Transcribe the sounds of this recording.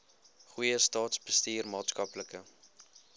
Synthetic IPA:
χujəstɑːtsbəstiːrmɑːtskɐpləkə

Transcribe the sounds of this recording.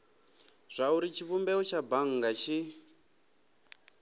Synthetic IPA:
z̥ʷauɾit͡ʃʰiβumbɛɔt͡ʃʰabaŋ̩ɡat͡ʃʰi

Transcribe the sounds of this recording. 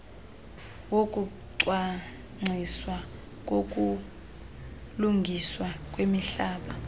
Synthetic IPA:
wokʼu | ǀwa | ŋ͡ǀʱiswa | k̬ʼok̬ʼu | luŋɡʱiswak̬ʼwemiɬaːɓa

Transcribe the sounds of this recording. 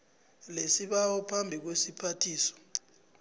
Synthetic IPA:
lesiɓawɔpʰambʱik̬wesipʰatʰiːsɔ̥

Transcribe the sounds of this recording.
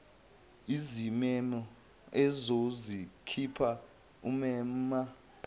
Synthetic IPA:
izimɛnɔ | ɛzozikʰipʰa | umɛma

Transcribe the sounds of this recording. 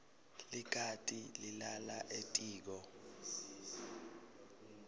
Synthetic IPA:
lik̬ʰatʼililalaʔetʼiːk̬ɔ

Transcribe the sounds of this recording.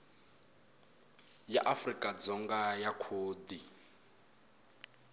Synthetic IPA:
jaʔafrikʼad͡zɔŋɡajakʰoːd̪i

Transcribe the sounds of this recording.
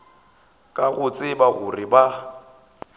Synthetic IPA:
kʼaɣʊt͡sʼɪbaɣʊrɪba

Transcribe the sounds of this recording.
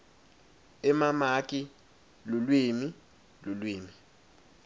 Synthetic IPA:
ɛmamakʼi | lʊlwimi | lʊlwiːmi

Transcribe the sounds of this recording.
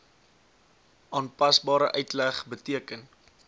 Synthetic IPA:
ʔɑːnpɐsbɑːɾəʔœɥtlæχbətiəkən

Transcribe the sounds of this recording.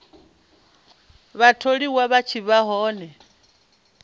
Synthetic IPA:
βatʰoɺiwaβat͡ʃʰiβaɦɔːnɛ

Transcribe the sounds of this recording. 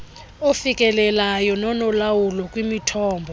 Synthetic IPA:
ofikʼɛlɛlajɔnɔnɔlawulɔkʼwimitʰɔːmbʱɔ

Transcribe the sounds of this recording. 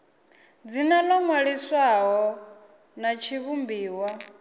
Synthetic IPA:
d͡zinalɔŋwaɺiswaɦɔ | nat͡ʃʰiβumbiːwa

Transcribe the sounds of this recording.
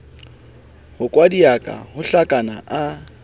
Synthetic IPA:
hʊkʼwadiakʼa̰hʊɬakʼana̰ʔa

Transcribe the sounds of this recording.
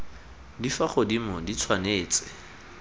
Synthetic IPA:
difaχʊdimɔdit͡sʰwaneːt͡sʼɪ̥

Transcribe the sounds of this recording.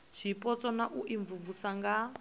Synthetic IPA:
ʃipʼɔt͡sʼɔnaʔuʔiɱvuvusaŋɡa

